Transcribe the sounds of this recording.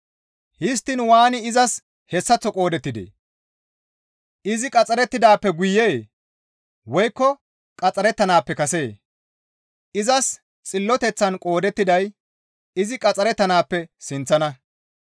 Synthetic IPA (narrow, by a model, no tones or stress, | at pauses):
hɪs̬t̪ːɪnwaːnɪɪzɐs | hɛsːɐt͡sːɔkʼo̞ːd̪ɛt̪ːɪd̪ḛː | ʔɪzɪkʼɐt͡sʼɐɾɛt̪ːɪd̪aːpːɛɡʊjːeː | wɔjkːɔ | kʼɐt͡sʼɐɾɛt̪ːɐnaːpːɛkɐseː | ɪzɐs | t͡sʼɪlːɔt̪ɛt͡sːɐnkʼo̞ːd̪ɛt̪ːɪd̪ɐj | ɪzɪkʼɐt͡sʼːɐɾɛt̪ːɐnaːpːɛsɪnt͡sːɐnɐ